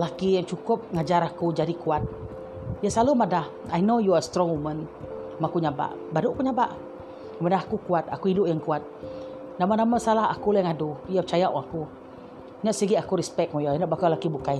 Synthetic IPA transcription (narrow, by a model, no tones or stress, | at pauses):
lakijaŋt͡ʃukʊp̚ŋad͡ʒaɾakud͡ʒadikuat̪̚ | jasalumadah | ajnojuast̪ɾɔ̃ŋumə̃nmakuɲaba̰ʔ | badʊʔkuɲaba̰ʔ | manahakukuat̪̚a̰kuidʊʔjaŋkuat̪̚namanamasalaɦa̰kulɛŋadujaət͡ʃajaʔwɔaku | ɲaʔsiɡiakuɾɛspɛk̚mɔjaanɔʔbakalakibukaj